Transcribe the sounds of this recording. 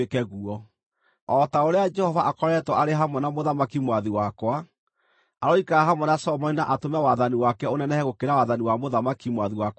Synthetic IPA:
ekɛɣuɔ | ɔtaoɾead͡ʒɛhɔvaʔakɔɾɛtwɔʔaɾeɦamwɛnamoðamakimwaðiwakwa | aɾɔikaaɦamwɛnasɔmɔinaʔatomɛwaðaniwakɛonɛnɛhɛɣokeɾawaðaniwamoðamakimwaðiwak

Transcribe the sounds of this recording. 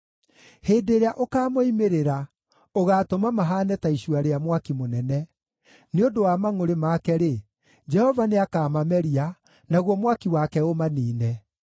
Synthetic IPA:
heːdeɾeaʔokaːmoimeɾeɾa | oɣaːtomamaɦaːnɛtaiɕwaɾeamwakimonɛnɛ | neodowamaŋoɾemakɛɾe | d͡ʒɛhɔvaneakaːmamɛɾia | naɣwɔmwakiwakɛomaniːnɛ

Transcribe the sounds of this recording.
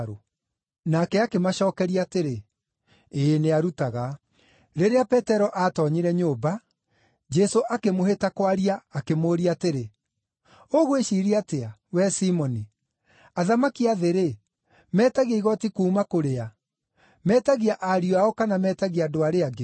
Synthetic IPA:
ɾo | nakɛakemaʃɔːkɛɾiateɾe | eneaɾutaɣa | ɾeɾeapɛtɛɾɔʔatɔɲiɾɛɲoba | d͡ʒɛsoʔakemoɦetakwaɾiaːkemoːɾiateɾe | oɣoeʃiɾiateawɛsimɔni | aðamakiaðeɾe | mɛːtaɣjeiɣɔtikuːmakoɾea | mɛtaɣiaʔaɾioaɔkanamɛtaɣiaːdoaɾeaɡe

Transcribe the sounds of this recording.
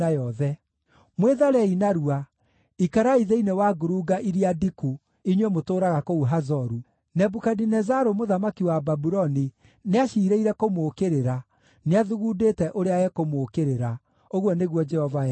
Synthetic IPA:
ajɔɛ | mweðaɾɛinaɾua | ikaɾaiðeinewaɡoɾuɡaʔiɾiadiku | iɲwɛmotoːɾaɣakouɦazɔɾu | nɛbukadinɛzaɾomoðamakiwababuɾɔni | neaʃiːɾeiɾɛkomokeɾeɾa | neaðuɣudetɛʔoɾeajɛkomokeɾeɾa | oɣwɔneɣwɔd͡ʒɛhɔva

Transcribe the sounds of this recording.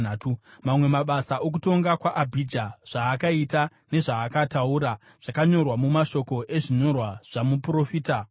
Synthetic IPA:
tumamwe̞maɓasaʔok̬uto̞ŋɡakwaʔabʱid͡ʒaʐ̥aːkaita | ne̞ʐaːkatauːɾa | ʐ̥akaɲo̞rwamumaʃo̞ko̞ʔe̞ʐiɲo̞rwaʐ̥amupuro̞fiːta

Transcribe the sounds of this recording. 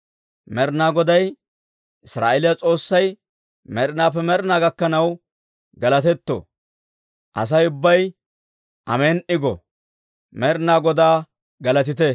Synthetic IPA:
mɛɾnaːɡɔd̪ɐj | ʔɪsɾa̰ːʔelɪjɐt͡sʼo̞ːsːɐj | mɛɾnaːpːɛmɛɾnaːɡɐkːɐnɐw | ɡɐlɐt̪ɛt̪ːo̰ | ʔɐ̰s̬ɐjʊbːɐj | ʔɐ̰meːnʔɪɡɔ̰ | mɛɾnaːɡɔd̪aː | ɡɐlɐt̪̬ɪt̪̬ɛ

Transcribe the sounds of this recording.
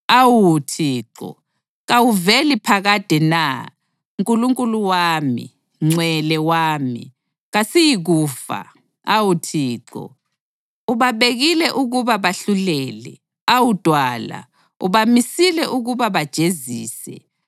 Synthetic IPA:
awutʰiːǁɔ̰ | ɣawuvelipʰaɣad̥ʱɛna | uŋkʼuluŋkʼuluwaːmḭ | ŋ͡ǀwɛlɛwaːmḭ | ɣasijiɣuːfa̰ | awutʰiːǁɔ̰ | uβaβeɣilɛʔuɣuβaβaɬulɛːlɛ̰ | awud̥ʱwaːla̰ | ṵβamisilɛʔuɣuβaβad̥ʒ̥ʱeziːsɛ̰

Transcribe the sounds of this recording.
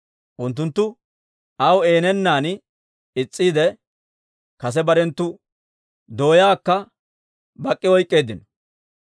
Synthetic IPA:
ʔʊnt̪ːʊnt̪ːʊ | ɐwe̞ːnɛnːaːn | ɪt͡sʼːiːd̪ɛ | kɐs̬ɛbɐɾɛnt̪ːʊ | d̪o̞ːjaːkːɐ | bɐkʼːɪwɔjkʼːe̞ːd̪ɪnɔ̥

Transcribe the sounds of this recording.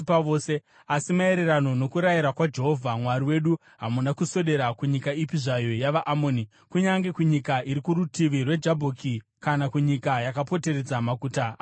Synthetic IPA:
paʋoːse | asimae̞ɾe̞ɾano̞no̞kuɾajiɾakwad͡ʒe̞ɦo̞vʱamwaɾiwe̞ɗu | ɦamunakuso̞ɗe̞ɾakuɲikaipiʐajo̞jaʋaʔamoːni | kuɲaŋɡe̞kuɲikaiɾikuɾutiʋirwe̞d͡ʒabʱoːkʰi | kanakuɲikajakapo̞te̞ɾe̞d͡zamakuːta

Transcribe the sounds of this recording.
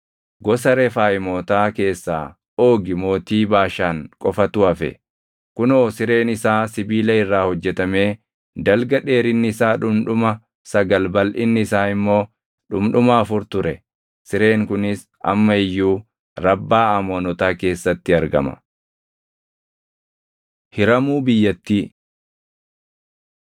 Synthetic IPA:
ɡɔsɐɾɛfaːjɪmoːt̪aːke̞ːsːa̰ː | o̞ːɡɪmo̞ːt̪iːbaːʃaːŋkʼɔfɐt̪ʊɐfɛ̰ | kʊnoːsɪɾe̞ːnɪsaːsɪbiːlɐɪrːaːhɔd͡ʒːɛt̪ɐme̞ː | d̪ɐlɡɐᶑe̞ːɾɪnːɪɪsaːᶑʊmᶑʊmɐ | sɐɡɐlbɐlʔɪnːɪɪsaːɪmːo̞ː | ᶑʊmᶑʊmaːfʊɾt̪ʊɾɛ | sɪɾe̞ːŋkʊnɪs | ʔɐ̰mːɐɪjːuː | ɾɐbːaːɐmoːnɔt̪aːke̞ːsːɐt̪ːɪɐɾɡɐ̰mɐ̰ | hɪɾɐmuːbɪjːɐt̪ːiː

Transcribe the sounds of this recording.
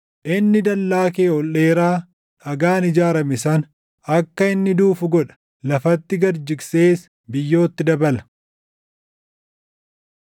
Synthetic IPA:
ʔɪnːɪd̪ɐlːaːkeːɔlːe̞ːɾaː | ʔɐɡaːnɪd͡ʒaːɾɐmɪsɐn | ɐkːɐɪnːɪd̪uːfʊɡɔᶑɐ̥ | lɐfɐt̪ːɪɡɐɾd͡ʒɪɡse̞ːs | bɪjːo̞ːt̪ːɪd̪ɐbɐlɐ̥

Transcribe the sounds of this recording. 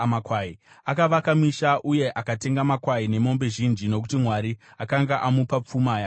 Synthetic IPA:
makwai | akaʋakamiʃaʔuje̞ʔakate̞ŋɡamakwaine̞mo̞mbe̞ʒind͡ʒino̞k̬utimwaɾiakaŋɡaʔamupap͡fumaja

